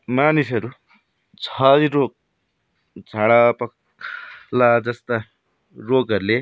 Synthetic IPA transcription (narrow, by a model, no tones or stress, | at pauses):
maːnisɐɾu | t͡sʰaːdiɾoːk̚ | t͡saɭapɐk̚ | lad͡zɐst̪a | ɾoːɡɐɾle